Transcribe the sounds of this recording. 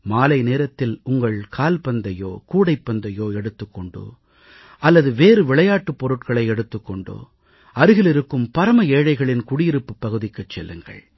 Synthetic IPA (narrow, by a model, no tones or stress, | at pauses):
maːlɐɪneːɾɐt̪ːɪlʊŋɡɐɭkʰaːlpɐnd̪ɐjoːkuːɽɐɪpːɐnd̪ɐjoːɛɽɯt̪ːɯkːɔɳɖo̰ː | ʔɐlːɐðɯʋeːɾɯʋɪɭɐjaːʈːɯpːɔɾɯʈkɐɭɐɪɛɽɯt̪ːɯkːɔɳɖo̰ː | ɐɾɯɣɪlɪɾɯkːɯmpɐɾɐmɐeːɻɐɪɣɐɭɪnkʊɽɪjɪɾɯpːɯpːɐɣɯðɪkːɯt͡ʃːɛ̰lːɯ̰ŋɡɐ̰ɭ